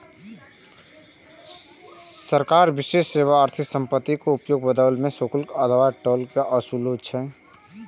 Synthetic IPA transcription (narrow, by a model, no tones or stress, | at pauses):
səɾkaːɾbɪʃeʃːeːʋaːɾt̪ʰɪksə̃mpət̪ːikoʊpjoːɡbəd̪əlmẽsokʊlkəd̪waʈɔːlkaʔəsulot͡ʃʰɛ